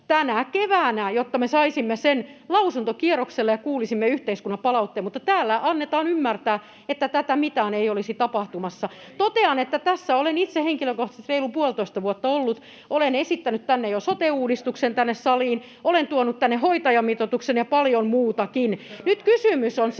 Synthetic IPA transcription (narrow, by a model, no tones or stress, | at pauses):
t̪ænækeʋæːnæjot̪ːɑmesɑisimːesenlɑusunt̪okierokselːejɑkuːlisimːeyht̪eiskunːɑpɑlɑut̪ːeːmut̪ːɑt̪æːlːæʔɑnːet̪ɑːnymːært̪æː | et̪ːæt̪æt̪æmit̪æːneiolisit̪ɑpɑht̪umɑsːɑ | t̪ot̪eɑnet̪ːæt̪æsːæolenit̪seheŋkiløkoht̪ɑ̥se̥t̪reilupuolt̪oist̪ɑʋuot̪ːɑolːut̪ | ʔolenesit̪ːænyt̪t̪ænːejosot̪euːdist̪uksent̪ænːessɑliːn | olent̪uonut̪t̪ænːehoit̪ɑjɑmit̪ot̪uksenjɑpɑljonmuːt̪ɑkinnyt̪kysymysons